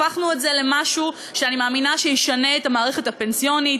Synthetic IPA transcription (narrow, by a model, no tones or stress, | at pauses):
aχnuezele̞maʃu | ʃeanimaːminaʃeiʃane̞ːtamaːʁeχe̞tape̞nsijo̞nit